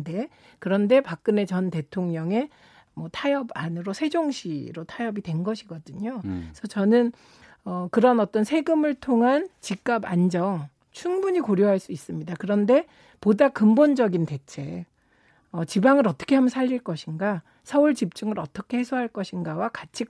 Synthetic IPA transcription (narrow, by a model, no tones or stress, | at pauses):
de̞ | kɯɾʌnde̞pak̚k͈ɯne̞t͡ɕʌnte̞tʰoŋɲʌŋe̞ | mwʌtʰajʌbanɯɾosʰe̞d͡ʑoŋɕʰiɾotʰajʌbitwe̞nɡʌɕʰiɡʌdɯɲosʰʌt͡ɕʌnɯn | ʌkɯɾʌnʌt͈ʌnsʰe̞ɡɯmɯɭtʰoŋɦant͡ɕik͈̚aband͡ʑʌŋ | t͡ɕʰuŋbuɲikoɾjoɦaɭs͈uis͈ɯmɲidakɯɾʌnde̞ | podak͈ɯmbond͡ʑʌɡinte̞t͡ɕʰe̞ | ʌt͡ɕibaŋɯɾʌt͈ʰʌ̥kʰe̞ɦamnsʰaʎːiɭk͈ʌɕʰinɡa | sʰʌuɭt͡ɕip̚t͡ɕ͈uŋɯɾʌt͈ʌkʰe̞hesʰoɦaɭk͈ʌɕʰinɡawakat͡ɕʰi